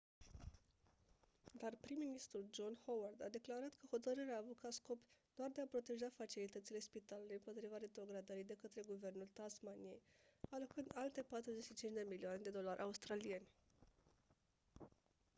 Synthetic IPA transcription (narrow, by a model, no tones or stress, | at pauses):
d̪arpɾimːinist̪ɾuld͡ʒo̞nhoward̪ad̪e̞klaɾat̪kʰəho̞t̪əɾɨɾeaːvut̪kʰat̪sko̞pd̪̥oard̪eapɾo̞t̪e̞ʒafat͡ʃilit̪ət̪sile̞spit̪aluluejɨmpo̞t̪ɾivaɾe̞t̪ɾo̞ɡɾad̪əɾid̪e̞kət̪ɾe̞ɡuve̞rnult̪asmanije̞jalo̞kɨnd̪alt̪e̞pat̪ɾuze̞ʃit͡ʃint͡ʃd̪e̞milioaned̪e̞d̪o̞larʲʔaust̪ɾalije̞nʲ